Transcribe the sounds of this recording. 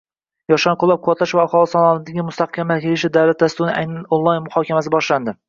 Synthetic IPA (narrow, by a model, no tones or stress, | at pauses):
jɒʃɑnqʰʊlˠɑp̚qʰʊwat̪laʃvaːχɒlˠɨsɒlˠɒnɪd̪aɡʲɪmʊst̪ʰaqkʲʰamːakʲʰelɪʃɪd̪awlat̪̚d̪ast̪ʊunɪʔajnanonlˠɑjnmʊhɒkʲamasɪbɒʃland̪ɪ